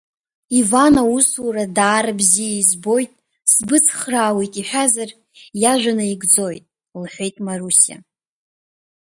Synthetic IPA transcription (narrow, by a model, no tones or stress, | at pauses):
ivanauswuɾadaːɾabzijaizbo̞jtʼ | sbɨt͡sʰχraːwejtʼiħʷᶣazar | jaʒʷᶣanaiɡd͡zo̞jtʼ | lħʷᶣe̞jtʼmarusia̰